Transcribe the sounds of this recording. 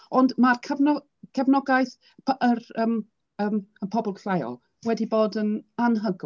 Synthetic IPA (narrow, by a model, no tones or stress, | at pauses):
ɔndmarkʰəvnɔ | kʰəvnɔɡajθ | pʰʔəɾəːm | əːməpʰɔbɔlˠɬajɔ̰ | wɛdiboːdənanɦəɡ